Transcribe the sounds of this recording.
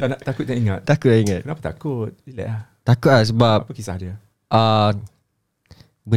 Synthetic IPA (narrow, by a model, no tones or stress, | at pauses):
anat̪akʊt̪̚daʔiŋat̪̚t̪akʊt̚aiŋat̪̚ənapat̪a̰kut̚dilə̰ʔaht̪akut̚lahs̬əbapapəkisa̰hdiə | ʔa | bə